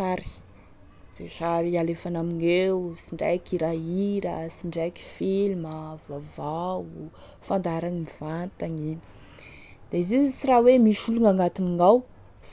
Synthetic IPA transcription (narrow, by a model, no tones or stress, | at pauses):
aɾi̥ | z̥eʃaɾialefanaminewsiɳɖ͡ʐa̰jkiɾaiɾasiɳɖ͡ʐaki̥filməvavau | fand̪aɾaŋimiv̥ant̪aŋini | d̪̥eizizit͡siɾawemiʃuluŋaŋɡat̪iniŋaw | f